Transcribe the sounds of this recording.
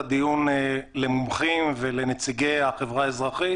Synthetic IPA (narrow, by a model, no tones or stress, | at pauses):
d̪ijunlemumχimvelenet͡siɡejhaχevʁaezʁaχi